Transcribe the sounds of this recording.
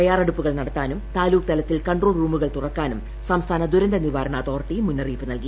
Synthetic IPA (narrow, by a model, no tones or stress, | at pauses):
ɐjaːreɽupːuɣɐɭnɐɽɐt̪ːaːnumt̪aːluːk̚t̪ɐlɐt̪ːilkɐɳɖro̞ːɭruːmːuɣɐɭt̪urɐkːaːnum | sɐmst̪ʰaːnɐd̪uɾɐnd̪ɐniʋaːɾɐɳaːt̪o̞ːrʈːimunːɐriːpːɨnɐlki